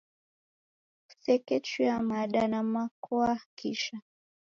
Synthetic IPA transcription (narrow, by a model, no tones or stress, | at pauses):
u̥sɛkɛt͡ʃiamaɗanamakɔakiʃa